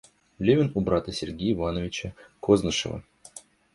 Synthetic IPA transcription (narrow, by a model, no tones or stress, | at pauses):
lʲevʲɪnʊbɾat̪əsʲɪrɡʲejɪvanəvʲɪt͡ɕəkʰoznəʂɨ̰və̰